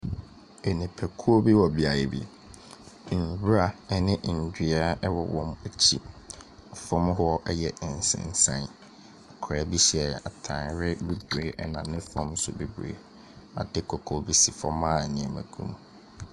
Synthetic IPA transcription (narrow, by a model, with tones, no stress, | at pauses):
e˨nĩ˨pʰɛ˨kʰu˦o˦bi˦wɔ˨bi˨a˨jɛ˨bḭ˨ | n˨bɾa˨ɛ˨nɪ̃˦ʔn̩˨dᶣi˨a˦ʔɛ˦wɔ˨wɔ̃˨mæ˨t͡ɕʰi˦ɔ˨fɔ̃˦m˦hʊ˦ɔ˦ʔɛ˦jɛ˨ʔɪ˨n˨sɪ̰̃˨n̩˨sã̰˦n | a˨kʰɾɛ˨bi˦ɕi˦ɛ˨a̰˨tʰã˨nɾɪ˦be˦bɾeː˨ʔɛ˦nã˨nɪ̃˦fɔ̃˦msʊ̰˨be˨bɾḛ˨˦ | a̰˨dɪ˦kʰɔ˨kʰɔ˨bi˦si˨fɔ̃˦mãː˦˨nɪ̃˨ɛ̃˨mæ̰̃˨ɡʰṵ̃˦m